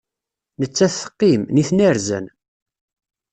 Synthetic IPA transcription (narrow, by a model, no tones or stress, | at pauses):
nət͡sːæθːə̥qːimniθnæɾzə̰n